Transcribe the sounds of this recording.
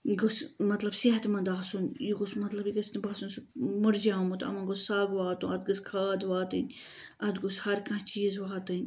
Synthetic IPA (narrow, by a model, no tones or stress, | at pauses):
jɡosmɐt̪lɐbsiɦɐt̪mɐ̃nd̪aːsunjiɡosmɐt̪lɐbiɡɐst̪ɐbasunsumuɾd͡ʒaːmut̪ɐ̰mɐnɡossaːɡʋaːt̪ũɐd̪ɡɐskʰaːd̪ʋaːt̪ɨnʲ | ɐd̪ɡoshɐɾkɐ̃t͡ʃiːzʋaːt̪ɨnʲ